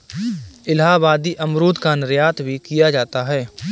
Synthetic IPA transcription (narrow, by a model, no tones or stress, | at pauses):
ɪlɦaːbaːd̪iʔɐmɾoːd̪kanɪɾjaːt̪bʱikijad͡ʒaːt̪aɦɛː